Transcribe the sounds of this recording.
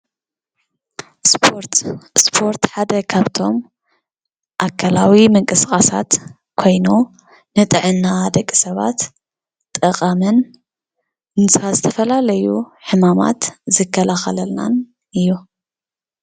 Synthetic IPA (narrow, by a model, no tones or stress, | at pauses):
spʰoɾt̪spʰo̞ɾt̪ħad̪ɐkʰaβt̪ʰo̞m | ʔakʰːalawimɨŋkʼɨskʼasat̪ | kʰo̞jnu | nɨt̪ʼɨʕɨnːad̪ɐkʼːisɐβa̰t̪ʼː | ɨqʼamɨn | nɨsɨazɨt̪ʰɐfɐlalɐjuħɨmama̰t̪zɨkʰːɐlaxɐlɐlna̰n | ɨjːu